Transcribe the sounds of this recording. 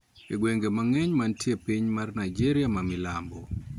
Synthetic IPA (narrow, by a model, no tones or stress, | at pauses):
eɡweŋɡemaŋɛɲmantjepiɲmarnajd͡ʒeɾjamamɪlambɔ